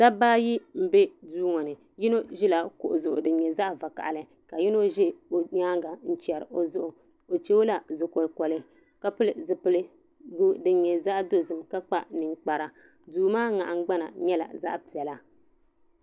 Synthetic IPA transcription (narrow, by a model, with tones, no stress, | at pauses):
sa˦baː˦ji˦m̩˨be˦duː˦ŋɔ˨nɨ˨ | ji˦no˦ʒɪ˦la˨ko˨ʔʊ˨zʊ˨ʔʊ˨dɨ˨ɲɛ˨za˦ʔva˨ka̰˨ʔa˨lɨ˦ | ka˨ji˦no˦ʒɪ˦o˨ɲaː˦ɡa˨n̩˦t͡ʃɛ˨ɾɨ̰˨ʔo˨zʊ˦ʔʊ˨ | o˨t͡ʃe˦o˦la˨zʊ˨ko˨lkɔ˨lɨ˦ | ka˦pɨ˦lɨ˨zɨ˨pɨ˨lɨ˦ | ɡu˦dɨ˨ɲɛ˨za˦ʔdo˦zɨ˨mka˦k͡pa˦nɨ˨ŋk͡pa˨ɾa˨ | duː˦maː˦ŋa̰˨ʔa˨ŋ˦ɡ͡ba˦na̰˨ɲɛ˦la̰˨za̰˦ʔpi˨ɛ˨la˦